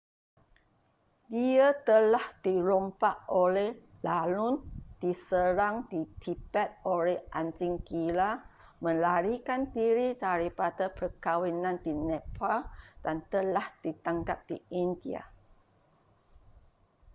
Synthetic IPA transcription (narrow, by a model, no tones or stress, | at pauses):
diat̪əlahd̥iɾompaʔolɛh | lalʊnd̥isəɾaŋdit̪ʰibɛt̪̚olɛhʔand͡ʒiŋkila | mə̃laɾikandiɾidaɾipadapərkawinãndinɛ̃pald̥ant̪əlahd̥it̪aŋkap̚d̥iindia̰